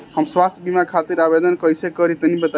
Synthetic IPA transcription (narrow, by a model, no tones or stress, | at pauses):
həmswast̪ʰbimakʰat̪iɾabed̪ənkəjsekəɾit̪ənibət̪a